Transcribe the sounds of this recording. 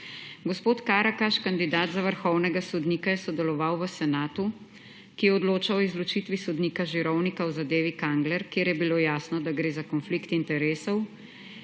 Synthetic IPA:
ɡɔspoːt̪kaːɾakaʃkand̪id̪aːd̪zaʋəɾxɔwnɛɡasɔd̪niːkajɛsɔd̪ɛlɔʋawʋəsɛnaːt̪u | kijɛɔd̪loːt͡ʃaɔizlɔt͡ʃiːt̪ʋisɔd̪niːkaʒiɾɔwnikawzad̪eːʋikaŋɡlɛɾkeːɾjɛbiloːjaːsnɔd̪aɡɾeːzakɔnflikt̪int̪ɛɾeːsɔw

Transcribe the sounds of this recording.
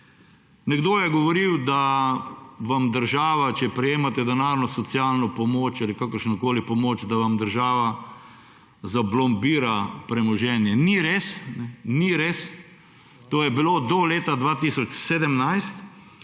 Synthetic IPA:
nɛɡd̪oːjɛɡɔʋɔɾiwd̪a | ʋamd̪əɾʒaːʋat͡ʃɛpɾɛjeːmat̪ɛd̪ɛnaːɾnɔsɔt̪sjalnɔpɔmoːt͡ʃalikakəɾʃnɔkoːlipɔmoːt͡ʃd̪aʋamd̪əɾʒaːʋa | zablɔmbiːɾapɾɛmɔʒɛnjɛniɾeːsnɛniɾes | t̪oːjɛbiloːd̪ɔleːt̪ad̪ʋaːt̪isɔt͡ʃseːd̪əmnajst̪

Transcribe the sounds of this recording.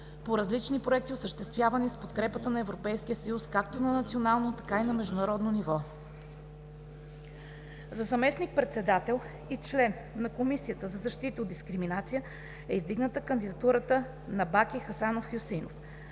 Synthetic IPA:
poɾɐzlit͡ʃnipɾoɛk̚t̪iosəʃt̪ɛst̪vʲjavɐnispot̪kɾɛpət̪ənɐɛvɾopɛjskijəsɐjuskakt̪onɐnɐt̪sionalˠnot̪ɐ̥kainɐmɛʒd̪ʊnɐɾɔd̪nonivɔ | zɐzɐmɛsnik̚pɾɛt̪sɛd̪at̪ɛlˠ | it͡ʃlɛnːɐkomisijət̪əzɐzɐʃt̪it̪əod̪iskɾiminat̪sijə | ɛizd̪iɡnət̪əkənd̪id̪ɐt̪uɾət̪ə | nɐbakixɐsanofxʲjusinof

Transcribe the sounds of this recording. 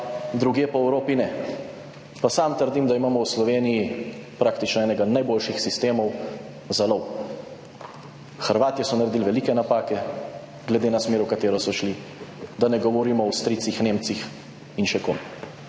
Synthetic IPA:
d̪ɾuɡjeːpɔɛwɾoːpinɛ | pasamt̪əɾd̪imd̪aimaːmɔwslɔʋeːnijipɾaːkt̪it͡ʃnɔɛːnɛɡanajboːlʃixsist̪eːmɔw | zalɔw | xəɾʋaːt̪ijɛsɔnaɾed̪iːlʋɛliːkɛnapaːkɛ | ɡlɛd̪eːnasmeːɾukat̪eːɾɔsɔʃli | d̪anɛɡɔʋɔɾiːmɔwst̪ɾiːt̪sixneːmt̪six | inʃɛko̰m

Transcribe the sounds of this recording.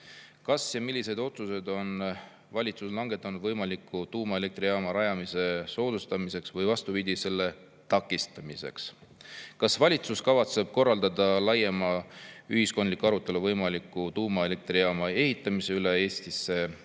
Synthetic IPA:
kɑsjɑmilʲːise̞d̪o̞t̪suse̞d̪o̞n | vɑlʲit̪suslɑŋɡ̥e̞t̪ːˑɑnud̪vɤjmɑlikːut̪uːmɑe̞le̞kt̪rijɑːmɑɾɑjɑmise̞so̞ːd̪̥ust̪ɑmise̞ksvɤjvɑst̪upid̪ise̞lːe̞ | t̪ɑkːˑist̪ɑmise̞ks | kɑsvɑlʲit̪suskɑvɑt̪se̞b̥̚ko̞rːɑld̪ɑd̪ɑlɑjːemɑyɦisko̞nd̪likːɑɾut̪ːˑe̞luvɤjmɑlikːˑut̪uːmɑe̞le̞k̚t̪ɾijɑmɑe̞ɦit̪ˑːɑmiseylee̞ːst̪isːe̞

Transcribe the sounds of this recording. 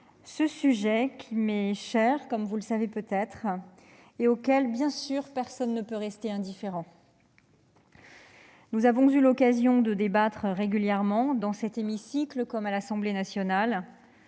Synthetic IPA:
səsyʒɛkʲʰimɛʃɛʁkɔmvuləsavepøt̪ɛt̪χ | eokʲɛlbjɛ̃syʁpɛʁsɔnːəpøʁɛst̪eɛ̃d̪ifeʁɑ̃ | nuzavɔ̃zylɔkazjɔ̃d̪əd̪ebat̪χʁeɡʲyljɛʁmɑ̃d̪ɑ̃sɛt̪emisikləkɔmalasɑ̃blenasjɔnal

